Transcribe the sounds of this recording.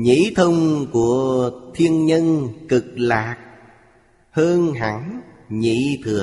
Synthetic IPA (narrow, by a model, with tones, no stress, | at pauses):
ɲḭ˧˥t̪ʰə˧wŋ͡mku˧˩ət̪ʰi˧ənɲə˧nkɨ˨˩k̚laː˨˩k̚ | həː˧nɦa̰˧˩˦ŋ | ɲḭ˧˨˥t̪ʰɨ˨˩ə